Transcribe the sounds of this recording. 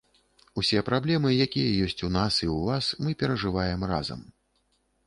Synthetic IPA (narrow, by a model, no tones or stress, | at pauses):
usʲɛpɾablʲɛmɨjakʲijɐjɔsʲt͡sʲunasiwvasmɨpʲɛɾɐʐɨvajɛmra̰zɐ̰m